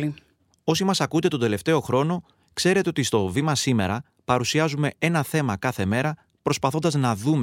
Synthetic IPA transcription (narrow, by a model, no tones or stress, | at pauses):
i | o̞simɐsɐkund̪e̞t̪o̞d̪e̞le̞ft̪e̞o̞xɾo̞no̞ | kse̞ɾet̪e̞ot̪ist̪o̞vimɐsime̞̰ɾɐ | pɐɾusiɐzume̞e̞nɐθe̞mɐkɐθe̞me̞ɾɐ | pɾo̞spɐθo̞nd̪ɐznɐðum